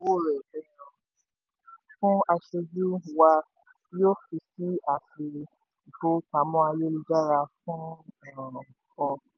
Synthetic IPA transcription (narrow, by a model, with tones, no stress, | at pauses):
wo˦˨ɾɛ˨ɛ˦nɔ̃˧ | fũ˦a˧ʃe˧d͡ʒu˦˨wa˧ | joː˦fi˧si˦a˦˨fi˧ | i˨ko˦ka˨˦mɔ̃˦a˧je˦li˧d͡ʒa˦ɾa˧fũ˦ɔ˨ɾã˨kɔ˧